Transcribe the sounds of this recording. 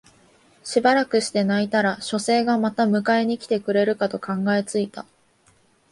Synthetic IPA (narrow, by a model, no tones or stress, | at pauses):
ɕibaɾakɯ̟ɕi̥t̪e̞nait̪aɾaɕo̞se̞ːɡamat̪amɯ̟kae̞ɲ̟ikʲi̥t̪e̞kɯ̟ɾe̞ɾɯ̟kat̪o̞kãŋɡae̞t͡sɨit̪a